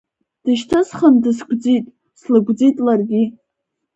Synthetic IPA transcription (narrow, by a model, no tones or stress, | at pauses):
d̥ɨʃtʰɨsχəndɨsɡʷd͡zitʼ | slɨɡʷd͡zitʼlarɡʲi